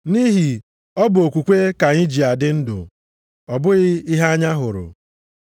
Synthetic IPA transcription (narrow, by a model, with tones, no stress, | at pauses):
ni˦ɦi˨ | ɔ˦bʊ˨o˨kʷu˨kʷe˦ka˨ɲi˦d͡ʒi˨a˨dɪ˦n̩˦dʊ̰˨ | ɔ˨bʊ˦ɣɪ˦i˦ɦa˦a˦ɲa˦ɦʊ˨ɾʊ̰˨